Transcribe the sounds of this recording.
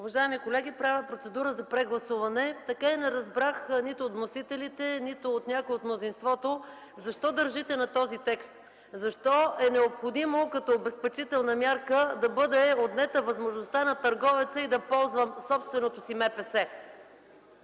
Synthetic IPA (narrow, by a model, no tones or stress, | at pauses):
uvɐʒaɛmikolɛɡ̟ʲipɾavʲəpɾot̪sɛd̪uɾəzɐpɾɛɡlˠɐsuvɐnɛt̪ɐkainɛɾɐzbɾaxnit̪ʊːt̪mnosit̪ɛlit̪ɛnit̪ʊːt̪nʲakoɛot̪mnozinst̪vɔt̪o | zɐʃt̪ɔd̪əɾʒit̪ɛnɐt̪ɔzit̪ɛkst̪ | zɐʃt̪ɔɛnɛopxod̪imokɐt̪ɔbɛspɛt͡ʃit̪ɛlˠnɐmʲjaɾkəd̪ɐbɤd̪ɛod̪nɛt̪əvɐzmoʒnost̪anɐt̪ɐɾɡɔvɛt̪səid̪ɐpɔlˠzvəmsɔpst̪vɛnot̪osimɛpɛsɛ